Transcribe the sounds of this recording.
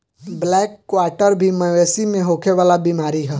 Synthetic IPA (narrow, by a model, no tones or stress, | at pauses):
blɛːkːwaːɾʈəɾbʱiməeːsimẽɦoːkʰeʋaːlabiːmaːɾiɦɛː